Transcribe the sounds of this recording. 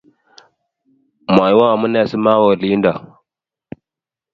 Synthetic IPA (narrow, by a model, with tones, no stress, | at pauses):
ma˨jwa˦wa˨mu˦na˨si˦ma˦wo˨li˦nda˨